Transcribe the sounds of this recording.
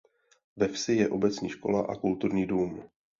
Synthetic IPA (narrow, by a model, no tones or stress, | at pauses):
vɛfsɪjɛʔo̞bɛt͡sɲiːʃko̞laʔa̰kult̪uɾɲiːduːm